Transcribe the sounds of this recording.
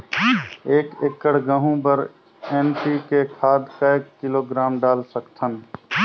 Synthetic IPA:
eːkekːəɽ̤ɡəɦũbəɾ | ɛnpikekʰaːd̪kaekːɪloɡɾaːmɖaːlsəkt̪ʰən

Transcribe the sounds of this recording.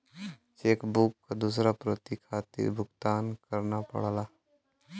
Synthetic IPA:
t͡ʃeːkbukːad̪uːsɾapɾot̪ikʰaːt̪ḭɾbʱʊɡt̪aːnkəɾnapə̰ɽ̤laː

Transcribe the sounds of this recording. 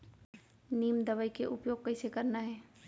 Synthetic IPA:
niːmd̪ɐʋəikeʔʊpjoːɡ̚kɐɪsekɐɾnaɦɛː

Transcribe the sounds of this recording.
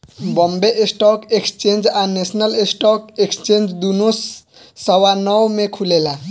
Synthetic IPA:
bɔmbeʔesʈɔkekst͡ʃend͡ʒanesnəlesʈɔkekst͡ʃend͡ʒd̪unosː | ʌwanɔwmekʰulela

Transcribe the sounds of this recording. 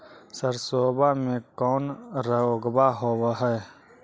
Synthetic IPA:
səɾsoːbamẽkɔːnɾəoɡbaɦoːbɦɛː

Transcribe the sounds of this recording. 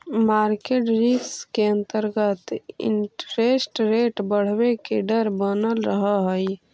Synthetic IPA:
maɾkeʈɾikskeənt̪əɾɡət̪ḭɳʈɾesʈɾeʈbəɽ̤bekeɖəɾbənəlɾəɦəɦəj

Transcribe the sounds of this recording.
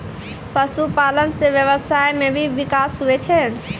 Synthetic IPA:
pəsupalənseʋjəβəsajmebʱiʋikasɦuɛt͡ʃʰɛ

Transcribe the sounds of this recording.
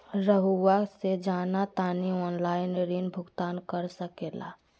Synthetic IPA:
ɾəɦuwased͡ʒaːnat̪aːniɔːnlaːɪneɾiːnbʱʊɡt̪aːnkəɾsəkeːla̰ː

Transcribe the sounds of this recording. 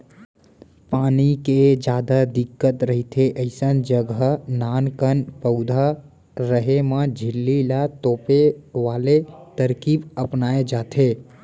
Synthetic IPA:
paːniked͡ʒjaːd̪ad̪ɪkːət̪ɾəɦit̪ʰeʔəɪsənd͡ʒəɡnaːnkənpəʊd̪ʱa | ɾəɦemãd͡ʒʱɪlːilat̪oːpeʋaːlet̪əɾkiːbəpnaːed͡ʒaːt̪ʰe

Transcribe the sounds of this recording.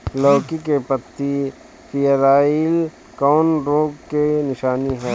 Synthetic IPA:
lɔːkikepət̪ːi | pʰɪjəɾaːil | kɔːnɾõːɡkenɪʃaːniɦɛː

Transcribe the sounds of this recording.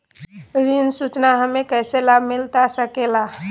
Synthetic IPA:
ɾinsut͡ʃnaɦəmẽkɛːselabʱmɪlt̪asəkela

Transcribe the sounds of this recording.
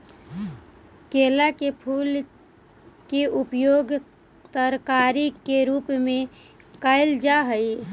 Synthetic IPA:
keːlakepʰuːl | keʔupjoɡ | t̪əɾkaɾikeɾuːpmẽ | kaɪld͡ʒaɦəj

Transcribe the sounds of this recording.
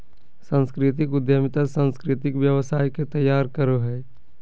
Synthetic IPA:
sə̃nskɾɪt̪̬ɪkʊd̪jəmɪt̪asə̃nskɾɪt̪ɪkʋjəʋəsaːjket̪əjːaːɾkəɾoɦɛː

